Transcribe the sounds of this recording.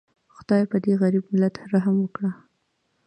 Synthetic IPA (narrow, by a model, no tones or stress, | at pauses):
xʊd̪̥ɑjpəd̪eɣaɾibmɪlat̪ɾaɦamwəkɽa